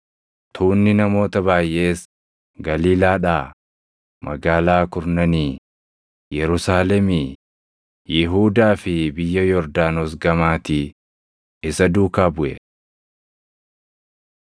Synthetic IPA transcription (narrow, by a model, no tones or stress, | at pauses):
t̪ʰuːnːɪnɐmo̞ːt̪ɐβaːjʔe̞ːs | ɡɐliːlaːᶑaː | mɐ̰ɡaːlaːkʊɾnɐniː | jɛɾʊsaːlɛmi | jɪɦuːd̪aːfɪbɪjːɐjɔɾd̪aːnos̬ɡɐmaːt̪i | ɪsɐd̪uːkaːbʊʔɛ̰